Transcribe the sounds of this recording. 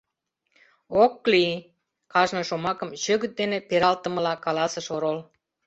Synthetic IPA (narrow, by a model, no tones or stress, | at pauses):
okːli | kɑʒnɤ̆ʃomɑkəmʃøɣə̆t̪̚d̪enepeɾɑlt̪ə̆mə̆lɑkɑlɑsəʃoɾol